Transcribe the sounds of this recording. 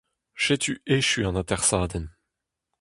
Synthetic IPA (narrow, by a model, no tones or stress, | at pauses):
ʃet̪ʰyeʃyɑ̃nat̪ɛʁsaːd̪ɛn